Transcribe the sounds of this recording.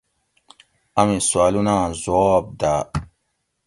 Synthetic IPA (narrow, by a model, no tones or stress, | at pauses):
ɐmiswaːlunãːzoːb̚d̪aː